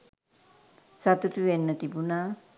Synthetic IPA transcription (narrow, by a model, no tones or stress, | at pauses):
sat̪ut̪uʋenːət̪ibunaː